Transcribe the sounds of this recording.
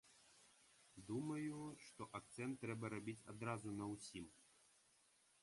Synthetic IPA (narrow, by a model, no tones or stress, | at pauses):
d̪umɐjuʂt̪ɔʔak̚t̪sɛnt̪ːɾɛbɐɾabʲit͡sʲa̰d̪ɾazunɐwsʲim